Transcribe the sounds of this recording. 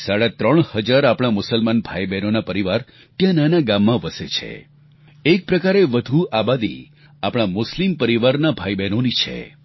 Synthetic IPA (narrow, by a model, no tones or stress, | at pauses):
saɽat̪ɾəɳ̃həd͡ʒaɾapɽ̃amʊsəlmanbʱajbɛnonapəɾiʋaɾ | t̪jãnanaɡamːãʋəset͡ʃʰḛ | ek̚pɾəkaɾeʋəd̪ʱuabad̪ḭ | apɽ̃amʊslimpəɾiʋaɾnabʱajbɛnonit͡ʃʰḛ